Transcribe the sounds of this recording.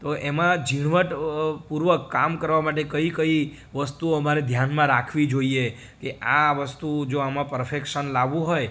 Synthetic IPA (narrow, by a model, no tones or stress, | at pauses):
t̪oʔemãd͡ʒiɽ̃ʋəʈpuɾʋəkːamkəɾʋamaʈ̬ekəikəi | ʋəst̪uoəmaɾed̪ʱjanmãɾakʰʋid͡ʒoie | keʔaʋəst̪ud͡ʒoamãpəɾfekʃənlaʋũɦoj